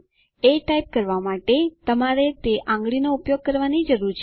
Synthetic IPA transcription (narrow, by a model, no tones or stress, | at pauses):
eʈaip̚kəɾʋamaʈet̪əmaɾet̪eʔãŋɡɭinoupjoɡ̚kəɾʋanid͡ʒəɾuɾt͡ʃʰ